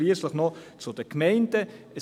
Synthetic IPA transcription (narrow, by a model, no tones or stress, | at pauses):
liəsləχnɔt͡sʊd̥əkmɛɪndə | ə